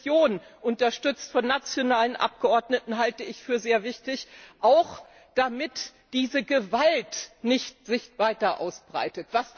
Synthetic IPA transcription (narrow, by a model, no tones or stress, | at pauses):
joːn | ʔʊntɐʃtʏt͡stfɔnːat͡sjonaːlənʔa̰p̚ɡ̥əʔɔɐdnətn̩ɦaltəɪçfyːɐzeːɐvɪçtɪçʔaʊx | d̥amɪtd̥iːzəɡəvaltnɪçt̚z̥ɪçv̥aɪtɐʔa̰ʊsb̥ʁa̰ɪtətv̥as